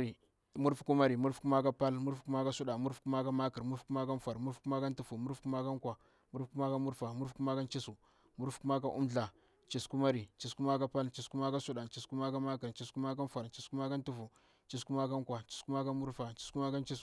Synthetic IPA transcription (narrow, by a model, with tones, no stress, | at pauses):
ɾi˨ | mu˦ɾfku˦ma˦ɾi˨mu˦ɾfku˦ma˦ka˦pa˦lmu˦ɾfku˦ma˦ka˦su˦ɗa˨mu˦ɾfku˦ma˦ka˦ma˦ki˨ɾmu˦ɾku˦ma˦ka˦n˦fa˨ɾmu˦ɾfku˦ma˦ka˦n˦tu˦fu˨mu˦ɾfku˦ma˦ka˦ŋ˦kʷa˨ | mu˦ɾfku˦ma˦ka˦mu˦ɾfa˨mu˦ɾfku˦ma˦ka˦nt͡ʃi˦su˨ | mu˦ɾfku˦ma˦k̬a˦ʔu˦mɮa˨ | t͡ʃi˨sku˦ma˦ɾi˨t͡ʃi˨sku˦ma˦ka˦pa˦lt͡ʃi˨sku˦ma˦ka˦su˦ɗa˨t͡ʃi˨sku˦ma˦ka˦ma˦ki˨ɾt͡ʃi˨sku˦ma˦k̬a˦fa˨ɾt͡ʃi˨sku˦ma˦ka˦n˦tu˦fu˨ | t͡ʃi˨s̬ku˦ma˦ka˦ŋ˦kwa˨t͡ʃi̥˦sku˦ma˦ka˦mu˦ɾfa˨t͡ʃi˦sku˦ma˦ka˦n˦t͡ʃi˦s